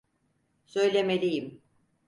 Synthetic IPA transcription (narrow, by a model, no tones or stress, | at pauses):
sø̞jlʲemelʲijim